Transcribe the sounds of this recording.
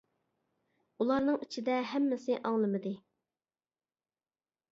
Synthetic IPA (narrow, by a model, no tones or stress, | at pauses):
ulˠɑɾnɨŋit͡ʃʰid̪ɛɦɛmːɪsɪʔɑŋlˠɨmɨd̪ɨ